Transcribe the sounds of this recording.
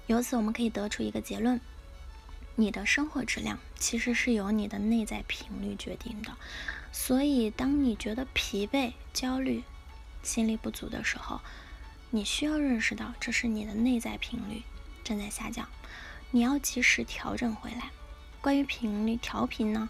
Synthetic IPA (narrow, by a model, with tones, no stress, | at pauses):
jo˧˥ʊt͡sʰɹ̩˧˩wɔ˨˩mə˦nkʰɤ˧˥i˨˩t̪ɤ˧˥ʈ͡ʂʰu˥i˧˥ɡə˧t͡ɕjɛ˧˥lwə˥˩n | ni˨˩d̪ə˦ʂɤ˥ŋxwɔ˧˥ʈ͡ʂɻ̩˥˧ljɑ̰˥˩ŋt͡ɕʰi˧˥ʂɻ̩˧˥ʂɻ̩˥˩jo˧˥ʊni˨˩d̪ə˦ne˥˧ɪt͡sa˥˩ɪpʰi˧˥ŋly̰˥˩t͡ɕɥɛ̰˧˥t̪ḭ˥˩ŋd̪ə˩swɔ˧˥i˨˩t̪ɑ˥ŋni˨˩t͡ɕɥɛ˧˥d̪ə˧pʰi˧˥pe˥˩ɪt͡ɕjɑ˥ʊly˥˩ | ɕi˥nli˥˧pu˥˩t͡sṵ˧˥d̪ə̰˧ʂɻ̩˧˥xo̰˧˩ʊ | ni˨˩ɕy˥jɑ˥˧ʊɻə˥˩nʂɻ̩˧t̪ɑ˥˧ʊʈ͡ʂɤ˥˧ʂɻ̩˥˩ni˨˩d̪ə˦ne˥˧ɪt͡sa˥˩ɪpʰi˧˥ŋly̰˥˩ʈ͡ʂɤ˥˧nt͡sa˥˧ɪɕja̰˥˧t͡ɕjɑ̰˥˩˦ʊni˨˩jɑ˥˩ʊt͡ɕi˧˥ʂɻ̩˧˥t̪ʰjɑ˧˥ʊʈ͡ʂə˨˩nxwe˧˥ɪla˧˥ɪ | kwa˥ny˧˥pʰi˧˥ŋly˥˩t̪ʰjɑ˧˥ʊpʰi˧˩nnə˧